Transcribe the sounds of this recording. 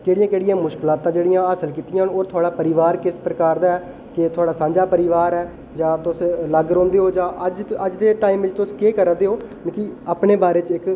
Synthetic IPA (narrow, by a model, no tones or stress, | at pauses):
keːɽijãːkeːɽɪijãːmʊʃkɪlãːt̪ãːd͡ʒeːɽijãːəsəlkiːt̪ijãɦnoːɾt̪ʰʊaːɽaːpəɾɪʋaːɾkɪspɾəkaːɾd̪aːɛː | kɪt̪ʰʊaːɽaːsãːɲd͡ʒaːpəɾɪːʋaːɾɛː | d͡ʒãːt̪ʊsləɡɾõːnd̪eːɦoːd͡ʒãːʔəd͡ʒəd͡ʒd̪eːʈaːiːmʋɪt͡ʃt̪ʊskeːkəɾəd̪eːɦoː | nːkiaːpneːbaːɾeːt͡ʃɪk